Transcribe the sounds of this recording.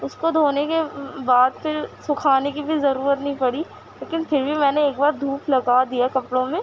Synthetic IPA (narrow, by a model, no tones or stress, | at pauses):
ʊskod̪ʱoːnekebaːd̪̚pʰɪɾsʊkʰaːnekibʱizɐɾuːɾət̪nɐɦĩpɐɽi | leːkɪnpʰɪɾbʱimɛ̃ːneeːk̚baːɾd̪ʱuːplɐɡad̪ijakɐpɽõmẽː